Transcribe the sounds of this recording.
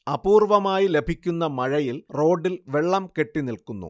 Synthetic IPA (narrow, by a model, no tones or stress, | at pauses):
ɐbuːrʋɐmaːjile̞bʱikʲːunːɐmɐɻɐjilro̞ːɖːilʋe̞ɭːɐmke̞ʈːinilkunːṵ